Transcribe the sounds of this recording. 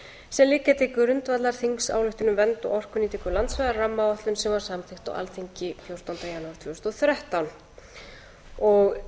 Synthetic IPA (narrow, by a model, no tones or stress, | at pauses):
sɛnliːkat̪ʰɪkʏɾʏnt̪vat̪laɾ̥θiŋksa̰ːwlʏht̪ʏnʏmvɛnt̪ɔ̰ɣɔr̥kʏnit̪ʰɛːkʏlant̪svɛðaɾramːawaht̪lʏmsɛmvaɾ̥samθɪxt̪a̰wʔa̰lθʰiɲcɪfjowɾ̥t̪awnt̪ajanaːɾt̪ʰvist̪ɔθɾɛht̪awn | ɔɣ